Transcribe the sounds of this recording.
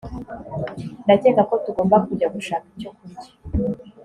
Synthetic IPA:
ndateɡako̞tuɡo̞ːmbakuɟaɡuʃaːkicokuɟi̥

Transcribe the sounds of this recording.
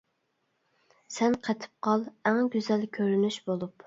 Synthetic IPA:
sɛnqʰɛt̪ʰɨ̥p̚qʰɑlˠæŋɡʲyzɛlkʲʰøɾynyʃbolˠup

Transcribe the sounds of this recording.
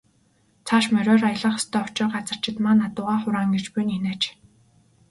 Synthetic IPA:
t͡sʰaʃmœɾʲɔːrajə̆ɮə̆χst̪ʰœːʊt͡ɕɪ̆rɢat͡sə̆r̥t͡ɕɪ̆t̪maːnːat̪ʊ̆ʁaːχʊɾaːŋɡet͡ɕpuninæːt͡ɕ

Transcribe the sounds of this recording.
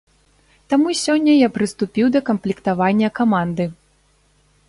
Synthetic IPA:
t̪amusʲɔnʲːɐjapɾɨst̪upʲiwd̪ɐkɐmplʲikt̪avanʲːɐkamand̪ɨ

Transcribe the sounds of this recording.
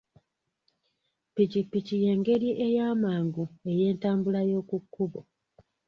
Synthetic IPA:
piɟipːicije̞ːŋɡe̞ɾiʔe̞jaːmaːŋɡue̞je̞ːntaːmbulajo̞ːkukːuβo̰

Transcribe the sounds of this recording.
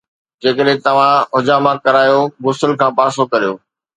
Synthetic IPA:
d͡ʑeːkəɗɦɪ̃t̪ɐʋ̤ãɦʊd͡ʑaːmãkɐɾaːjoɡʊsəlkʰãːpaːsokɐɾijoː

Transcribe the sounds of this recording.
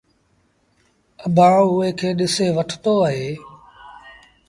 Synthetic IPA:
əbʱãːʊːeːkʰeːɗɪseːʋəʈʰt̪oːəɦeː

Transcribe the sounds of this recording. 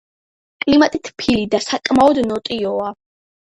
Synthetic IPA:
kʼlimat̪ʼit̪ʰpʰilid̪asakʼmaɔd̪nɔt̪ʼiɔa

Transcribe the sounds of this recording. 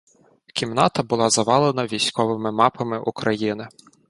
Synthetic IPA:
kʲimnɑt̪ɐbʊlˠɑzɐʋɑlˠenɐʋʲijsʲkɔʋɪmɪmɑpɐmɪʔukɾɐjinɪ

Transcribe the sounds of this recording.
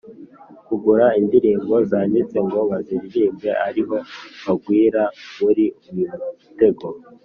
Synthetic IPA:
kuɡuɾaindiɾiːmbo̞zaːndit͡se̞ŋɡo̞βaziɾiɾiːmɡe̞ʔaɾiɦo̞βaɡwiːɾaβuɾiuβinuβute̞ɡo̞

